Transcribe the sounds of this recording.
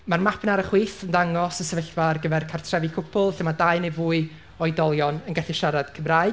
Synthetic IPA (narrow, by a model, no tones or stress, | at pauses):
marmapʰnaɾəχwiːθəndaŋɔsəsɛvəɬvarɡəvɛrkʰartʰrɛvɨkʰʊpʰʊlˠɬɪmadaɨnevuːɨ | ɔɨdɔlˠjɔnənɡɛɬɪʃaɾad̥kʰəmraːɨd